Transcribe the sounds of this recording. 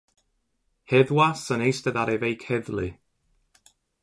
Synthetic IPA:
hɛðwasənejstəðaɾɛvejkʰhɛðlɨ

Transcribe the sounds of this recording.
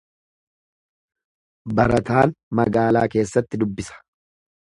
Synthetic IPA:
bɐɾɐt̪aːnmɐɡaːlaːke̞ːsːɐt̪ːɪd̪ʊbːɪsɐ̥

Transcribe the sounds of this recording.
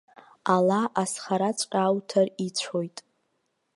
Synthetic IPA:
alaʔasχaɾat͡sʷʼqʲʼawtʰarit͡ɕʷʰo̞jtʼ

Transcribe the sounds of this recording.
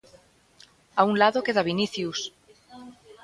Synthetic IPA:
auŋlaðokeðaβiniθjus

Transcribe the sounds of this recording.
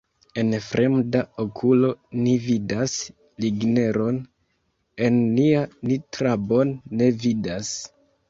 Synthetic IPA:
e̞nfɾʔe̞mdaokʰulo̞nividas | liɡne̞ɾo̞n | e̞nːianitɾabo̞nːe̞vidas

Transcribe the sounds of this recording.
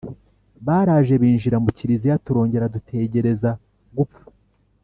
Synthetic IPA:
βaːɾaːʒe̞βiːnʒiɾamuciɾizijatuɾo̞ːɲɟe̞ɾadutʰe̞ɟe̞ɾe̞za | ɡup͡fu̥

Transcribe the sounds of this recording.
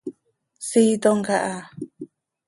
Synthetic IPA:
sit̪oŋkaʔa

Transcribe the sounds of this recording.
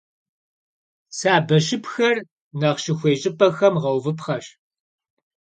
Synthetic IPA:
saːbɐʃɪpxɐr | nɐʁʃɪxʷeːɕʼɪpʼɐxɐmʁɐwvɨpχɐɕ

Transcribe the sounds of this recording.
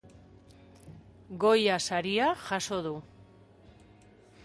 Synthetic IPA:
ɡo̞jasaɾiaʝaso̞ðu

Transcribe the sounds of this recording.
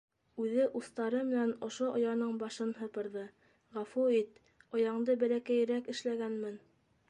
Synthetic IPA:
ʉðɘʔuθt̪ɑɾɤmɘ̆nænŏʃoʔŏ̰jɑɾnɤɴbɑʃɤnɦɤ̆pɤ̆ɾðɤ | ʁæfuit̪ | ŏjɑɴd̪ɤbælækæj̆ɾækɘ̆ʃlæɡænmɘn

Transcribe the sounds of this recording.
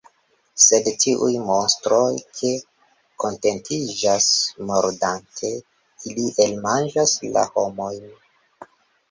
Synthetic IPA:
se̞dtʰiʔṵjmo̞nstɾo̞jkʰe | ko̞nte̞ntʰid͡ʒasmoɾdantʰe̞ | iliʔelmand͡ʒasla̰ho̞mo̞jn

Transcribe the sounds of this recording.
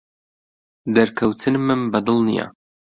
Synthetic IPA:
d̪ɐɾkʰɐwt̪ʰɨnmɨnbɐd̪ɨlˠnḭja̰

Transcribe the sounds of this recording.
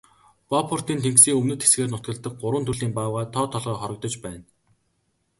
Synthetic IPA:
papʰɔr̥t̪iːnt̪ʰeŋksiːŋɵmnɵ̆t̪xe̥sɡeːrnʊt̪kə̆ɮt̪ə̆k̚ɢʊɾwə̆nt̪ʰɵɮiːmpaːwʁaːt̪ʰɔːt̪ʰɔɮʁɔːχɔɾɞ̆k̚t̪ɞ̆t͡ɕpæːn

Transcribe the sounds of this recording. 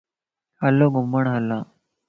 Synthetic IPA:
həlːoɡuməɳɦəlːa

